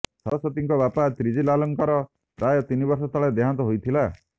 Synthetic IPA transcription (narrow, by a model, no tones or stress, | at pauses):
sɔɾɔsɔt̪iŋkɔbapat̪ɾid͡ʒilalɔŋkaɾɔ | ɾajɔt̪inibɔɾsɔt̪ʰaɭed̪eɦant̪ɔɦojt̪ʰila